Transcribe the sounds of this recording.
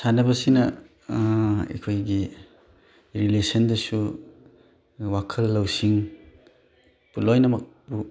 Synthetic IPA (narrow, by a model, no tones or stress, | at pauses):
sanɐbɐsinɐ | ḛkʰojɡi | ɾilesɐndɐsu | wakʰɐlːɐwsiŋ | pulojnɐmɐk̚ | bu